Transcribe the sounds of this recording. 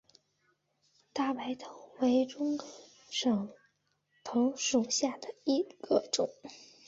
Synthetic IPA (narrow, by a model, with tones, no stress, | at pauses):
t̪a˥˩pa˧˥ɪt̪ʰo˧˥ʊwe˧˥ɪʈ͡ʂʊ˥ŋ | ʂɤ˨˩ŋ | t̪ʰo˧˥ʊʂu˨˩ɕja˥˩d̪ə˩i˧˥ɡ̥ə˧ʈ͡ʂʊ˨˩˦ŋ